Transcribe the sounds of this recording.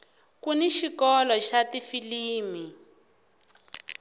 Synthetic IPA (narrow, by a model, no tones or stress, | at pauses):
kuniʃikɔlɔʃatifiliːmi